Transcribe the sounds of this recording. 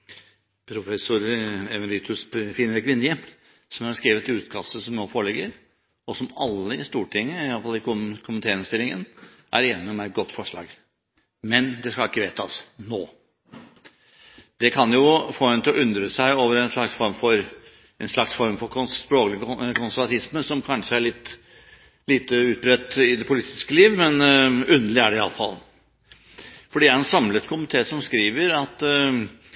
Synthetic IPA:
pʰɾʊfɛsʊɾɛʋɛɾɪːt̪ʰʉspfiːnəɾɪkʋɪnːəjə | sɔmhɑɾskɾiːʋət̪ʉːt̪kʰɑst̪əsɔmnoːfoːɭɪɡəɾ | ɔsɔmɑlːəɪst̪uːʈʰɪŋːəɪʋɑlfɑlːɪkʊkʰʊmənt̪ʰeːɾənst̪ɪlːɪŋə̰nʔæ̰ɾeːnɪɔmæɪt̪̚ɡɔt̪ːfɔʂɭɑ̰ːɡ | mɛnd̪ɛskɑlɪkːəʋeːt̪ɑsnoː | d̪ɛkʰɑnjʊfoːɛnt̪ɪlɔʔʏnd̪ɾəsæɪoːʋəɾɛnʂɭɑksfɔɾmfɔɾ | ɛnʂlɑksfɔɾmfɔɾkʰʊspɾoːklɪɡkʰʊnsæɾʋɑt̪ʰɪsməsɔmkʰɑnʂəæɭɪt̪ː | liːt̪əʉːt̪̚bɾɛt̪ːɪd̪ɛpʰʊlɪt̪ɪ̥skəliːʋmɛnʉnd̪əlɪæɖɛɪɑ̰lːəfɑ̰l | fɔɖiːæɾɛnsɑmlət̪kʰʊmɪt̪ʰeːsɔmskɾiːʋəɾɑt̪

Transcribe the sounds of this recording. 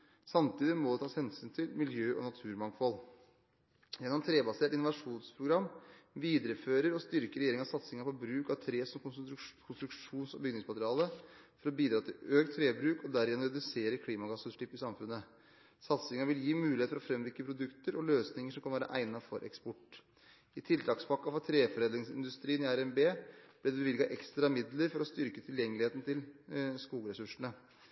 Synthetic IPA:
sɑmt̪iːd̪ɪmɔd̪ɛt̪ʰɑːshɛnsyːnt̪ʰɪlmɪljøːʔɔ̰nɑt̪ʰʉːɾmɑŋfɔl | jɛnːɔmt̪ʰɾeːbɑseːʈɪnʊʋɑʂuːnspʰɾʊɡɾɑmːʋiːd̪əɾəføːɾəɾɔst̪ʏɾkəɾɛjeːɾɪŋɑsɑt̪sɪŋɑpʰɔbɾʉːkɑʋt̪ʰɾeːsɔmkʰʊnst̪ɾʉkʂʂuːnsɔ̰bʏɡnɪŋsmɑt̪ɾɑːləfɔɾɔbiːd̪ɾɑːt̪ʰɪløːk̚t̪ʰːɾeːbɾʉːkɔd̪æɾɪɛnɾɛd̪ʉseːɾəkʰliːmɑɡɑsːʉnʂʈɪpːɪsɑmfʉnːə | sɑt̪sɪŋɑʋɪljiːmʉːɪet̪fɔɾɔfɾɛmʋɪkːəpʰɾʊd̪ʉkt̪əɾɔløːsnɪŋəʂɔmkɑnʋæːɾɑ̰ʔæ̰ɪnɑfɔɾʔɛ̰kspɔʈː | ɪt̪ʰɪlt̪ʰɑːkspʰɑkːɑfɔɾt̪ʰɾeːfɔɾeːd̪ɾɪŋsɪnd̪ʉst̪ɾiːənɪæɾɛmbeːb̥lɪd̪ɛbɛʋɪlɡɑʔɛkst̪ɾɑmɪd̪ləɾfɔɾɔst̪ʏɾkət̪ʰɪljɛŋːəlɪeːt̪ən̩t̪ɪlskuːɡəɾɛsʉʂɳə

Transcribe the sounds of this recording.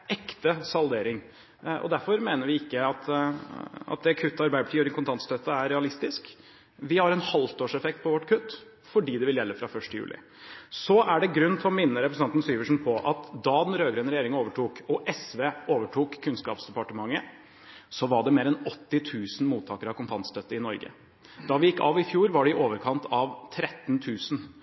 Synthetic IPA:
ɛkt̪əsɑld̪eːɾɪŋ | ɔ̰d̪æɾfɔɾmeːnəɾʋɪɪkːəɑt̪ | ɑ̰t̪̚d̪ɛkʰʉt̪ːəɑɾbæɪəpʰɑ̥ʈiːʉɾɪkʰʊnt̪ʰɑnt̪st̪ʰøt̪ːəæɾɾɛɑlɪst̪ɪsk | ʋɪhɑɾɛnhɑlft̪oːʂɛfɛkt̪̚pʰɔʋɔʈːkʰʉt̪ː | fɔɖiːd̪ɛʋɪljɛlːəfɾɑfœʂʈəjʉ̰ːlɪ̰ | sɔʔæɖɛɡɾʉnːt̪ʰɪlɔmɪnːəɾɛpɾəsnɑnt̪n̩syːʋəʂn̩pʰɔʔɑt̪d̪ɑd̪ɛnɾøːɡɾøːnɾɛjeːɾɪŋoːʋəʈuːkɔʔɛsʋeːoːʋəʈʰuːkʰːʉnskɑ̰ːpsd̪ɛpɑʈəmɑŋːə | sɔʋɑɖɛmeːɾɛnɔt̪ːɪt̪ʰʉːsn̩muːt̪ʰːɑːkəɾɑʋkʊnt̪ʰɑnt̪st̪ʰœt̪ːəɪnɔɾɡə̰ | d̪̥ɑʋɪjɪkːɑːʋɪfjuːɾʋɑɖɛɪʔoːʋəɾkʰɑnt̪ʰɑʋt̪ʰɾɛt̪ːnt̪ʰʉːsn

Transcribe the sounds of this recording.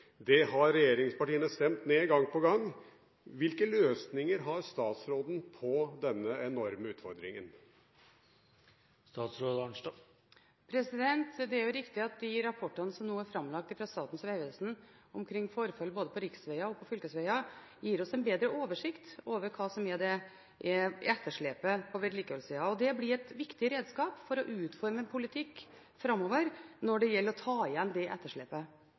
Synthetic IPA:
d̪ɛɦɑɾɛjeːɾɪŋspɑʈiːənəst̪ɛmt̪neːɡɑŋːpɔɡɑŋː | ʋɪlkəløːsnɪŋəɾɦɑɾst̪ɑːt̪sɾoːd̪n̩pʰɔd̪ɛnːəɛnɔɾməʉːt̪fɔɾd̪ɾɪ̰ŋən | st̪ɑːt̪sɾoːd̪n | pʰɾɛsɪd̪ɛnt̪d̪ɛæɾjʉɾɪkt̪ɪɑt̪̚d̪ɪɾɑpʰɔʈːənəsɔmnuːæɾfɾɑmlɑk̚t̪ɪfɾɑst̪ɑːt̪n̩sʋeɪʋəlsn̩ɔmkʰɾɪŋːfɔɾfɑlːboːd̪əpʰɔɾɪksʋɛɪɑɔpʰɔfʏlkəsʋɛɪɑ | jiːɾɔsɛɪnbeːd̪ɾəʔoːʋəʂɪkt̪oːʋəɾkʰɑːsɔmɛd̪ɛ | ʔɛɛt̪ːəʂɭeːpəpʰɔʋɛɾliːkəʋɛlsiːɑɔd̪ɛblɪɾɛt̪ʋɪkt̪ɪɾeːd̪skɑːpfɔɾɔʔʉːt̪fɔɾməɛnpʰʊlɪt̪ʰɪkː | fɾɑmːɔʋəɾnɔɖɛjɛlːəɾɔt̪ʰɑːɪjɛnːd̪ɛʔɛt̪ːəʂɭɛ̰ːpə

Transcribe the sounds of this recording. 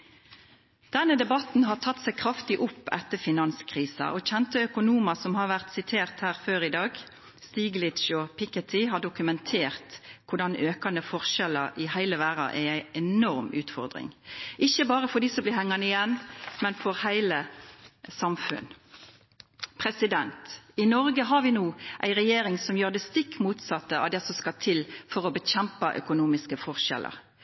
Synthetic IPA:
d̪̥ɛnːəd̪ɛbɑt̪n̩ɦɑːt̪ʰɑt̪ːsæɪkʰɾɑft̪ɪʔʊpːɛt̪ːəfɪnɑnskʰʁiːsɑ̰ʔɔçɛnt̪əœkʊnuːmɑsɔmhɑːɾʋæʁt̪sɪt̪ʰeːʁt̪hæːʁføːɾɪd̪ɑːɡ | st̪iːɡlɪt̪ʃɔpʰɪkɛt̪ʰɪɦɑːɖʊkʉmɛnt̪ʰeːʁt̪kʰʊɖɑnøːkɑnəfɔʁʃɛləʔɪhæɪləʋæːɾɑ̰ʔææɪɛnɔʁmʉ̰ːt̪fɔʁd̪ʁɪ̰ŋʔɪçːəbɑːʁəfɔd̪iːsɔmblɪhɛŋːɑnəɪjɛnːmɛnfɔɾhæɪlə | sɑmfʉ̰n | pʰɾɛsɪd̪ɛnt̪ɪnɔɾɡəɦɑɾʋɪnuːʔæ̰ɪʁɛjeːɾɪŋsɔmjøːɾd̪ɛst̪ɪkːmuːt̪sɑt̪ːəɑ̰ʋd̪ɛsɔskɑt̪ʰɪlfɔʁɔbəçɛmpɑʔœ̰kʊnuːmɪskəfɔʁʃɛ̰lə̰ɾ

